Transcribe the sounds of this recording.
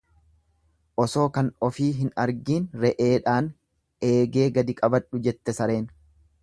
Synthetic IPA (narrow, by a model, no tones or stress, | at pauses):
ʔɔso̞ːkɐnɔfiːɦɪnɐɾɡiːnɾɛʔe̞ːᶑaːn | ʔe̞ːɡe̞ːɡɐd̪ɪkʼɐbɐᶑʊd͡ʒɛt̪ːɛsɐɾe̞ːn